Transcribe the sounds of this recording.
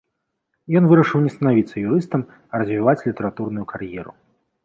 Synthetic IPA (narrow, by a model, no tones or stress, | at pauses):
jɔnvɨɾɐʂɨwnʲɛst̪ɐnavʲit̪sːɐjuɾɨst̪ɐm | ɐɾɐzʲvʲivat͡sʲlʲit̪ɐɾat̪urnujukʰarjɛɾṵ